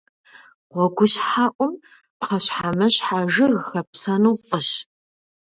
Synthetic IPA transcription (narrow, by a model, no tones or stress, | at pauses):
ʁʷɔɡʷʊɕħaːʔʷʼʊm | pqɐɕħamɐɕħaʒɨɣxɐpsɐnuːfʼəɕ